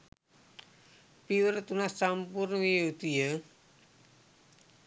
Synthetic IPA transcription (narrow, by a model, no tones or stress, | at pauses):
piwəɾt̪unast͡ʃampurnwiud̪ijə